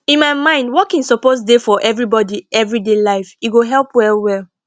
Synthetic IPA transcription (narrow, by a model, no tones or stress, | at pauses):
ĩnmaɪmãɪ̃ndwɔkĩnsɔpos̬defɔʔɛvɹibɔdiɛvɹidelaɪfiɡoɦɛlˠpwɛlwɛl